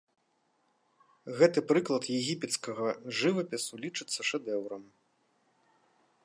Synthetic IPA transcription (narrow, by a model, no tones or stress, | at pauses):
ɣɛt̪ɨpɾɨklˠɐt̪jɛɣʲipʲɛt̪skɐɣɐʐɨvɐpʲɛsulʲit͡ʂɨt̪sːɐʂɛd̪ɛwɾɐm